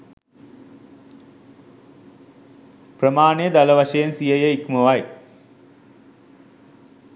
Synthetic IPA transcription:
prəmaːnejəd̪aləʋaʃɐjensijəjəikməʋaj

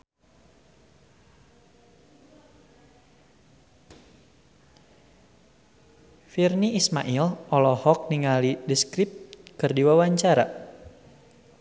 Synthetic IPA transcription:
firniːsma̰ʔilʔɔlɔhɔk̚niŋalidəskɾip̚t̪kɨrdiwawaɲt͡ʃaɾa̰

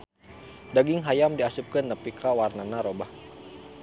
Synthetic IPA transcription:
daɡɪŋɦajamdiasup̚kənːəpikʰawarnanaɾobah

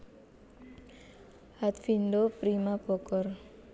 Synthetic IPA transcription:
hat̪findopɾimab̥ɔkɔr

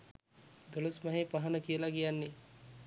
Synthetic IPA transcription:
d̪əlosmɐɦepaɦanəkijelaɡijanːe

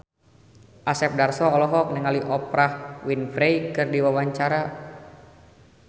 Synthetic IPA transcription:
ʔasɛp̚darsɔːlɔɦɔk̚niŋaliʔɔpɾahwinfɾejkɨrdiwawaɲt͡ʃaɾa

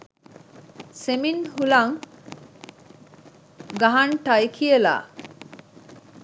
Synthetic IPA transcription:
seminhulɐŋ | ɡɐɦɐɳʈɐjkʰijela̰ː

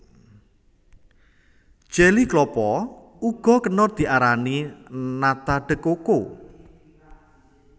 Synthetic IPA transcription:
ʒ̥ɛliklɔpɔ | uɡ̥ɔ̤kənɔrd̪̥i̤ʔaɾaninat̪aɖ̥ə̤koko

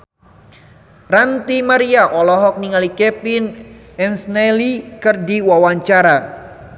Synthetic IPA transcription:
rant̪imaɾiaʔɔlɔɦɔk̚niŋalikɛpin | ɛmsnɛlikərdiwawaɲt͡ʃaɾa

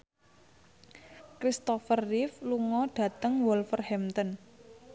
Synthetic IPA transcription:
kɾist̪ɔfərːifluŋɔɖ̥ä̤t̪əŋwɔlfərhɛmt̪ən

